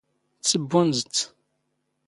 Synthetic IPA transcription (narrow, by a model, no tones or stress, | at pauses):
t͡sːəbːunzt͡sː